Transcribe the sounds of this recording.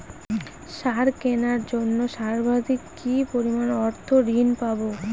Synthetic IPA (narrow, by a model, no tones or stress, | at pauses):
ʃaɾkenaɾd͡ʑonːoʃaɾbʱad̪ʱikːipoɾimanɔɾt̪ʰoɾinpabo